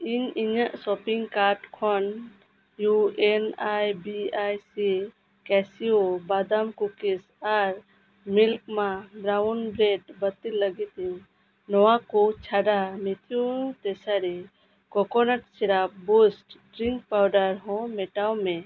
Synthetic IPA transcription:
iɲiɲəʔsɔpiŋɡkaɾʈkʰɔn | juenajbiajsi | kɛsiobad̪amkukis | aɾ | milkmãbɾaunbɾeɖbət̪iləɡit̪i | nɔwakut͡ʃʰaɖamit̪ʰijũt̪ɛsaɾi | kɔkɔnəʈsiɾap̚busʈɖɾiŋk̚pawɖəɾɦɔ̃mɛʈawmɛ̃

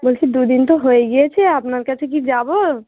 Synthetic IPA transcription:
bəlkid̪ud̪int̪oɦoeɡɐet͡ʃʰɛapnakɛt͡ʃʰekid͡ʒaːbo

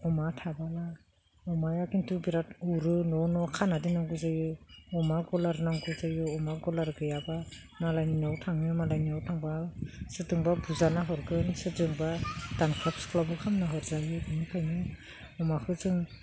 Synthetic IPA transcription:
ɔmatʰabala | ɔmajakʰintubiɾatuɾɯnɔnɔkʰanadinaŋɡɯzajɯɔmaɡɔlaɾnaŋɡuzajɔɔmaɡɔlaɾɡɯjaba | malajninawtʰaŋɯmalajniawtʰaŋbasɯdɯŋbabuzanaɦɔɾɡɯnsɯdɯŋbad̥anpʰɔpsklabukʰamnaɦɔɾzajɯɯmikʰajnɯ | ɔmakʰɯzɯŋ

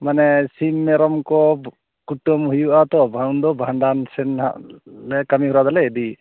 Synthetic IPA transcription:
manɛsimːɛɾɔmkɔ | kuʈɔmɦujuʔat̪ɔbʱawnd̪ɔbʱaɳɖansɛnha̰ʔlɛkamiɦuɾad̪alɛːdi

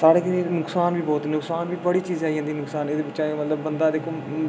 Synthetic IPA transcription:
saːɾeːkinʊksaːnʋiːbɔːt̪nʊksaːnʋiːbəɽiːt͡ʃiːzaːiːɦãnd̪iːnʊksaːneːd̪eːbɪt͡ʃːʃãːmət̪ləbːənd̪aːd̪eːkʰoː

